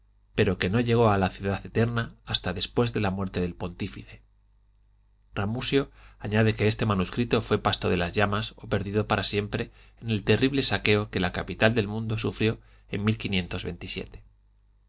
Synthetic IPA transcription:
pe̞ɾo̞ke̞no̞ʎe̞ɣ̞o̞alaθjuðaθe̞t̪e̞ɾnaːst̪aðe̞spwe̞zðe̞lamwe̞ɾt̪eðelpo̞nt̪ifiθe̞ | ramusjo̞aɲaðe̞ke̞est̪e̞manuskɾit̪o̞fwe̞past̪o̞ðe̞lazʝamaso̞pe̞ɾðiðo̞paɾasje̞mpɾe̞ː | ne̞lt̪e̞riβle̞sake̞o̞ke̞lakapit̪ald̪e̞lmũnd̪o̞sufɾjo̞ | e̞nmilkinje̞nt̪o̞zβe̞̰nt̪isje̞̰t̪e̞̥

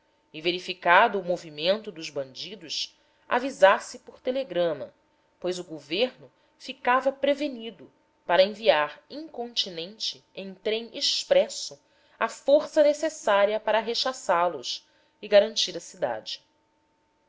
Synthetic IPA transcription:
iveɾifikad̪ʊːmovimẽnt̪ʊd̪ʊʒbɐ̃nd͡ʒid̪ʊs | a̰vizasɪpoɾt̪eleɡɾɐ̃mɐ̰ | pojzʊɡoveɾnʊ | fikavɐpɾevenid̪ʊ | paɾɐẽviaɾĩŋkõnt͡ʃinẽnt͡ʃɪ | ẽj̃t̪ɾẽj̃eʃpɾɛsʊ | ɐfoɾsɐnesesaɾiɐpaɾɐɦeʃasalʊs | iɡaɾɐ̃nt͡ʃiɾɐsid̪a̰d͡ʒɪ

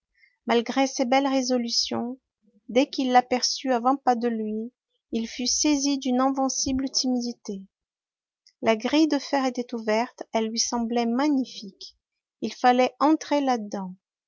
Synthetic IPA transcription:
malɡʁesebɛlʁezɔlysjɔ̰̃ | d̪ɛkilːapɛʁsyavɑ̃pad̪əlɥi | ilfysezid̪ynɛ̃vɛ̃siblt̪imid̪it̪e | laɡʁijd̪əfɛʁet̪ɛt̪uvɛʁt̪ɛlːɥisɑ̃blɛmaɲifik | ilfalɛɑ̃t̪χelad̪ɑ̃

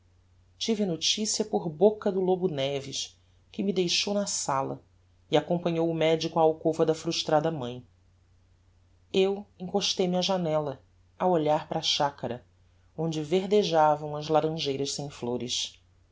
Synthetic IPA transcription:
t͡ʃivɪnot͡ʃisiɐpʊɾbokɐd̪ʊlobʊnɛvɪʃ | kɪmid̪ejʃownɐsalɐ̰ | iakõpɐ̃ɲowʊmɛd͡ʒikʊaːwkovɐd̪ɐfɾuʃt̪ɾad̪ɐmɐ̃j̃ | ewẽŋkoʃt̪ejmiɐʒanɛlɐ | awoʎaɾpɾaʃakɐɾɐ | õd͡ʒɪveɦd̪eʒavɐ̃w̃ɐzlaɾɐ̃ʒejɾɐʃsẽj̃floɾɪʃ

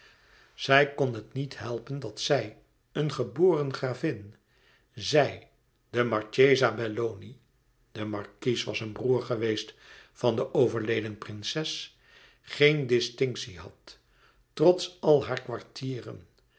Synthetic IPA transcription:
z̥ɛjkɔnɦətnitɦɛlˠpəndɑtsɛj | ənχəboːrənχraːvɪn | zɛj | dəmɑɹt͡ʃejzabɛloni | d̥əmɑɹkisʋɑsənbruːɹχəʋejstfɑndəʔowvəɹlejdənprɪnsɛs | χejndɪstɪŋksiɦɑ̰tː | rɔtsɑlˠɦaːɹkʋɑɹtʰiːrə̰n

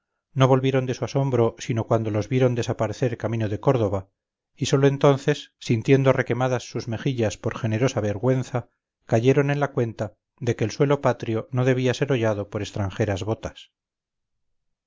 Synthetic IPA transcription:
no̞β̞o̞lβje̞ɾo̞nd̪e̞suaso̞mbɾo̞sinokwand̪o̞lo̞zβje̞ɾo̞nd̪e̞sapaɾe̞θe̞ɾkamĩnoðe̞ko̞ɾð̞o̞βa | iso̞loent̪o̞nθe̞sːint̪je̞nd̪o̞re̞ke̞maðasːuzme̞xiʎaspo̞ɾxe̞ne̞ɾo̞saβe̞ɾɣwe̞n̟θa | kaʝe̞ɾo̞nẽ̞nlakwe̞nt̪a | ðe̞ke̞ːlswe̞lo̞pat̪ɾjo̞no̞ðe̞β̞iase̞ɾo̞ʝað̞o̞po̞ɾe̞st̪ɾaŋxe̞ɾazβo̞t̪as

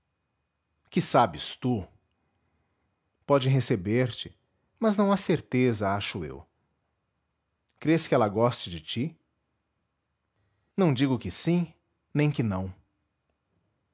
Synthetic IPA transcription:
kɪsabɪst̪u | pɔd͡ʒɪɦesebeɾt͡ʃɪ̥ | mɐznɐ̃w̃aseɾt̪ezɐaʃʊḛw | kɾeskɪɛlɐɡɔst͡ʃɪd͡ʒɪt͡ʃi | nɐ̃w̃d͡ʒiɡʊkɪsĩ | nẽj̃kɪnɐ̃w̃

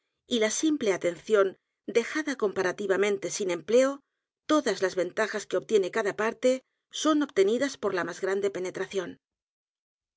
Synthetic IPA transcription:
ilasimple̞at̪e̞nθjo̞n | d̪e̞xaðako̞mpaɾat̪iβ̞amẽnt̪e̞sine̞mple̞o | t̪o̞ðazlazβe̞nt̪axaskeo̞βt̪je̞ne̞kaðapaɾt̪e̞ | so̞no̞βt̪e̞niðaspo̞ɾlamazɣɾand̪e̞pe̞ne̞t̪ɾaθjo̞n

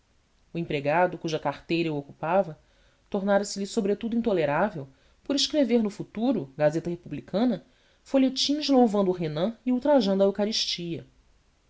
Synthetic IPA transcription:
ʊẽpɾeɡad̪ʊkuʒɐkaχt̪ejɾɐuokupavɐ | t̪oɾnaɾɐsɪlɪsobɾet̪ud̪ʊĩnt̪oleɾavew | poɾiʃkɾeveɾnʊfut̪uɾʊɡazet̪ɐhepublikʰɐ̃nɐ | foʎet͡ʃĩʃlowvɐ̃nd̪ʊʊɦenɐ̃iuwt̪ɾaʒɐ̃nd̪ʊɐewkaɾiʃt͡ʃiɐ

